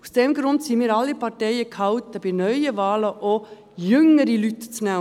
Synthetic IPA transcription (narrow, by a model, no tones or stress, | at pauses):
u̥sd̥ɛmɡɾʊndsimiːɾɑlːipɑtɛɪəkʰhɑwt̪əb̥ɪnœʏəvɑːləʔo | jʏŋːəɾilytt͡snæ